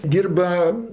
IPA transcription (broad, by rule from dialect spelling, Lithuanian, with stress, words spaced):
ˈdʲiːrbɐ